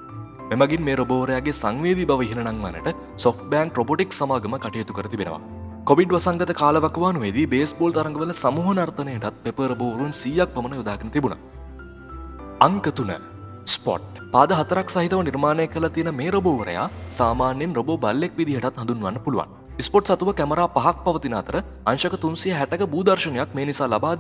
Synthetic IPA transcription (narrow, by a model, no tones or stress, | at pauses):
memaɡinmeːɾoboːʋəɾəjaːɡesaŋʋeːd̪ibaʋəiɦinənaŋʋa̰nə̰ʈə | sofʈ̚baːŋkroboːʈiksamaːɡəməkaʈijet̪ukəɾət̪ibenə̰ʋa̰ | koʋiɖʋasaŋɡət̪əkaːləʋakəʋaːnuʋed̪ibeːsboːlt̪ɐɾɐŋɡəʋələsamuːɦənart̪ənəeʈat̪̚pepəɾoboːʋɾunsiːjak̚pɐmənəjod̪aːɡənət̪ibunə̰ | ɐŋkət̪unə̰ | spɔ̰ʈ̚ | paːd̪əɦɐt̪ɐɾaksaɦit̪ɐʋəniɾmaːnejekːəlɐt̪ijənəmeːɾoboːʋəɾə̰ja̰ːsaːmaːnjenroboːbɐlːekʋid̪iɦəʈat̪hɐnd̪unːʋanːəpuluʋa̰n | ispoʈsɐt̪uʋəkæməɾaːpɐɦak̚pɐʋət̪inɐɦɐt̪əɾə | anʃɐkət̪unsijəɦæʈəkəbuːd̪ɐɾʃənejak̚meːnisaːlabaːd̪i